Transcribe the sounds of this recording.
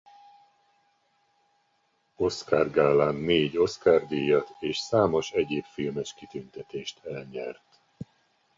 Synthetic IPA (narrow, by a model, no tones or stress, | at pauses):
o̞skaːrɡaːlaːnːeːɟo̞skaːrd̪ijɒt̪eːʃsaːmo̞ʃɛɟeːpfilmɛʃkit̪ynt̪ɛt̪eːʃt̪ɛlɲɛrt̪